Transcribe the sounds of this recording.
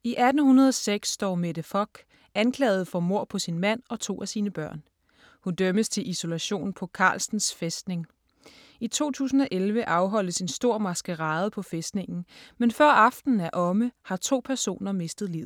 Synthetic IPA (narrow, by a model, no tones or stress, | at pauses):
iʔæd̥n̩hunɐð̞ˠɒseɡ̥sːd̥ɒ̰ːmed̥əfɒ̽ɡ̥ | ʔænkʰlɛ̰ːɪð̞̩ˠfɒ̽mo̝ɐ̰pʰɒ̽sinmæn̰ɒ̽t͡sʰo̝̰ːæsiːnəb̥ɶɐ̰n | hund̥øməst͡sʰe̝lʔiso̝læɕo̝̰ːnpʰɒ̽kʰɑ̰̈ːlsn̩sfesd̥ne̝ŋ | it͡sʰo̝̰ːt͡sʰṵːs̬n̩ɒ̽ʔelʋəʔɑ̈ʊɦɒ̽l̰əse̝nsd̥o̝ɐ̰mɑ̈sɡ̥əʁɑ̈ːð̞ˠpʰɒ̽fesd̥ne̝ŋn̩menfɶɐ̰ɑ̈fd̥n̩æɐʔɒ̽məhɑ̈t͡sʰo̝̰ːpʰæɐso̝̰ːnɐme̝sd̥ð̩ˠliʊ̰